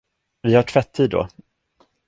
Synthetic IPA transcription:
vɪhaʈʰvɛt̪ʰːiːd̪ːɔ̰

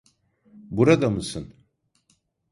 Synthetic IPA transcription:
buɾad̪amɯsɯn

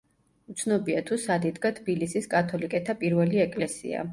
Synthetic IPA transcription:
ut̪sʰnɔbiat̪ʰusad̪id̪ɡat̪ʰbilisiskʼat̪ʰɔlikʼɛt̪ʰapʼiɾvɛliɛkʼlɛsḭa̰

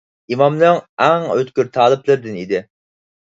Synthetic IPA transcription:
imɑmnɨŋɛŋøt̪kʲyɾt̪ʰɑːlˠɨplˠɨɾd̪ɪnid̪ɪ

